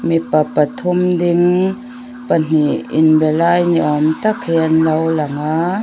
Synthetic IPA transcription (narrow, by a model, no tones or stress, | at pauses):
mipapat̪ʰumdɪŋ | pan̥iʔɪ̰nbɛlajniʔɔmt̪akhiənlawlaŋa